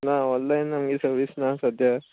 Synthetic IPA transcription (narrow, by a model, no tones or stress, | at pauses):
naɔnlajnːamɡiːsəɾʋisnasəd̪ʱja